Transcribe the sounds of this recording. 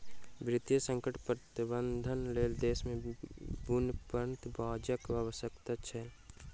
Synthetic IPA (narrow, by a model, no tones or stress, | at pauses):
bɾɪt̪jəsə̃ŋkəʈpɾət̪ɪbənd̪ʱənleːld̪eːsmẽbunpənt̪baːd͡ʒəkʋaʋəsəkt̪at͡ʃʰɛː